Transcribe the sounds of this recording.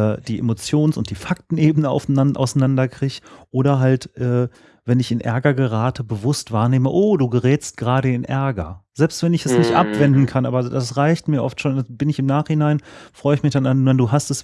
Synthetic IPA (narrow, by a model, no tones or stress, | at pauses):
ɛd̥iːʔḛmot͡sjoːnsʊnt̚d̥iːfaktn̩ʔeːbənəa̰ʊfnʔaʊsanandɐkʁ̥ɪçʔoːɾɐɦaltʔɛː | vɛnɪçɪnʔɛ̰ɐɡɐɡəʁaːtʰəbəvʊstv̥aːɐneːməʔoːduːɡəʁɛːst̚ɡ̥əʁaːɾəɪnʔɛɐɡɐzɛlpstv̥ɛnɪçɛsnɪçtʔa̰pv̥ɛndn̩kʰanʔa̰ːbɐdasʁaɪçtmiːɐʔɔftʃoːnɛsb̥ɪnɪçɪmnaːχhɪnaɪnfʁ̥ɔʏəɪçmɪçd̥anananduːɦastɛs